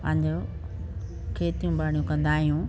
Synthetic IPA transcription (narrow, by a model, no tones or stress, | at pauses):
pɐ̃ɦɲd͡ʑo | kʰeːt̪ijũbaːɽijũkɐ̃nd̪aːɦijũ